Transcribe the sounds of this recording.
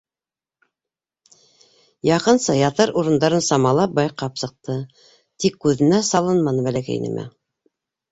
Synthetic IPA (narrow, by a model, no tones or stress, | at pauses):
jɑqɤ̆nsɤjɑt̪ɤɾuɾɤ̆nd̪ɑɾɤnsɑmɑlˠɑp̚bɑjqɑpsɤ̆q̚t̪ɤ | t̪ikːʉðɘ̆næsɑlˠɤnmɑnɤbælækæ̰jnɘ̰mʔæ̰